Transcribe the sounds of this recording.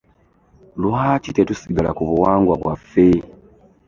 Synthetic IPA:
luhat͡ʃitetusiɡala̰kuβuwaːŋɡwaβwafe

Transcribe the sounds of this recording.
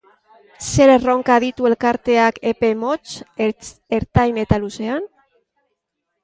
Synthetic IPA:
se̞ɾero̞ŋkaðit̪ue̞lkaɾt̪e̞akepe̞mo̞t͡ʃ | eɾt̪ajne̞t̪aluse̞an

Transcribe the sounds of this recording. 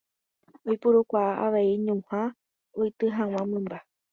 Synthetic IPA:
ojpuɾukʷaaʔaʋeiɲũhã | ojt̪ɨɦãw̃ãmɨ̃mba

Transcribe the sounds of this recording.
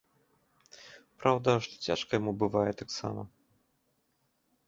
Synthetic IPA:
pɾawd̪ɐʂt̪ɔ̥t͡sʲa̰ʂkɐjɐmubɨvajɛt̪aksa̰mɐ̰

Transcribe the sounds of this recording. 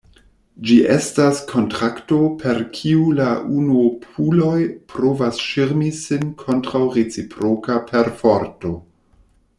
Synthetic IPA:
d͡ʒiʔestaskʰo̞ntɾakto̞pʰe̞ɾkʰiulaʔunuopʰulo̞jpɾovasʃiɾmisinkʰo̞ntɾawɾet͡sipʰɾokapʰeɾfoɾto̞

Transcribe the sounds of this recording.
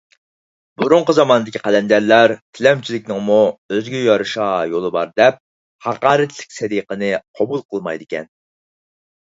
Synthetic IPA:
buɾuɴqəzɑmɑnɨd̪ɪkʲʰiqʰɛlɛnd̪æɾlæɾt̪ʰɪlɛmt͡ʃʰilɪkʲnɪŋmuøzɡʲɛjɑɾɨʃɑjolˠɨbɑɾd̪ɛp̚ | hɑqɑːɾɨt̪ʰlɪ̥k̚ʲsɛd̪iqənɨqʰɑbulˠqʰəlˠmɑjd̪ɪkʲʰɛ̰n

